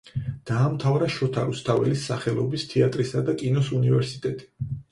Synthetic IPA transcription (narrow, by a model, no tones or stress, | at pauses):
d̪̥aːmt̪ʰavɾaʃɔt̪ʰaɾust̪ʰavɛlisːaχɛlˠɔbist̪ʰiat̪ʼɾisad̪akʼinɔsunivɛɾsit̪ʼɛt̪ʼi̥